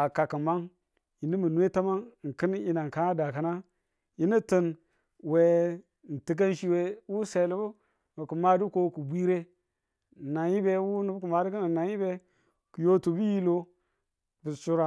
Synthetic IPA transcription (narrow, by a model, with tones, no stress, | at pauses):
a˨ka˨kə˨ma˦ŋ | ji˨ni˦mə˨nu˦e˦ta˦ma˦ŋ˨ŋ̩˨kə˦ni˦na˨ŋ˨ka˦na˦da˨ka˨na˦ | ji˦ni˦tə˦n | we˨ | n̩˨ti˨k̬a˦n˦ʃi˦we˦wu˦se˨li˦bu˦ | mə˨ku˨ma˦du˦ko˦ku˨bʷi˦ɾe˦˨ | na˨ji˦be˦wu˦nu˦bku˨ma˨du˦kə˦n˨na˨ji˦be˦ | ku˨jo˦tu˨bi˦ji˦lo˦ | bə˨su˦ɾa˨